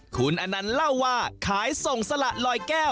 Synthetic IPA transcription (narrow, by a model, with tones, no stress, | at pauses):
kʰu˧nʔa˧nːa˦˥nla˥˩wːaː˥˩kʰaː˩˦jso˨˩ŋsa˧la˨˩ʔlɔː˧jkɛː˥˩w